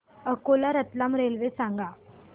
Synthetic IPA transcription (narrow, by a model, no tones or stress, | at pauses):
əkolaɾət̪lamɾelʋesãŋɡa